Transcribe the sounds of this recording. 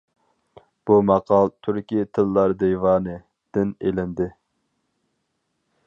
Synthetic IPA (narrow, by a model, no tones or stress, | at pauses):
b̥umɑqʰɑlˠt̪ʰyɾkʲijt̪ʰɨlːɑɾd̪ejvɑːnɨ | d̪̥ɪnelɪnd̪ɪ